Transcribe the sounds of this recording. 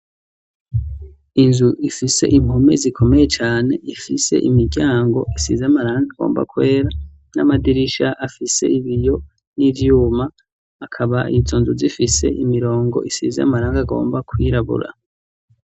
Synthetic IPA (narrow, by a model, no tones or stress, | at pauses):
inzuʔifise̞̰ʔim̥home̞̰zikʰo̞me̞je̞t͡ʃaːne̞ifise̞̰ʔimiɟaːŋɡo̞̰ʔisḭzaamaɾaːŋɡaɡo̰ːmba̰kwe̞ːɾa | na̰madiɾiʃaʔafise̞̰iβijo̞ | nivjuːmaː | kʰaβaḭzoːnzuzifise̞̰ʔimiɾo̞ːŋɡo̞̰ʔisḭzaa̰maɾaːŋɡaɡo̞̰ːmbakʰwiɾaβṵɾa̰